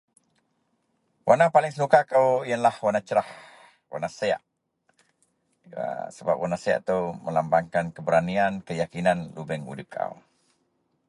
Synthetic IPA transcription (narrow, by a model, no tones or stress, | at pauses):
wanapalɪŋsənukakəwiənlahwanat͡ʃəɾah | wa̰nasəja̰ʔ | ə̰səba̰p̚wanasəja̰ʔt̪əwməlambaŋkankəbəɾaniankəjakinanlubɛŋṵdɪp̚kʰa̰w